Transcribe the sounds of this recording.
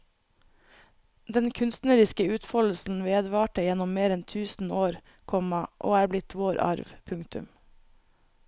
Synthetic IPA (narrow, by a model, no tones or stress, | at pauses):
d̪ɛnkʰʉnst̪nəɾɪskəʉːt̪fɔll̩sn̩ʋeːd̪ʋɑːʈəjɛnɔmmeːɾɛnt̪ʰʉːsn̩oːɾ | kʰɔmɑʔo̰ːæːɾblɪt̪ʰʋoːɾʔɑ̰ɾʋpʰʉŋt̪ʉ̰m